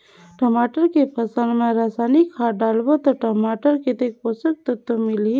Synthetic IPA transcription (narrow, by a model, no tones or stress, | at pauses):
ʈəmaːʈəɾkepʰəsənmeɾaːsaːnikʰːaɖaːlbot̪ɔʈəmaːʈəɾket̪ekposək̚t̪ət̪ːomili